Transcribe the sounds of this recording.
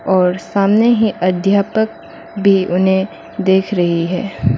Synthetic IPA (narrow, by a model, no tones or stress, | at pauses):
ɔːɾsaːmneɦiʔɐd̪ʱjaːpək̚ | bʱiʔʊnɦẽ | d̪eːkʰɾɐɦiɦɛː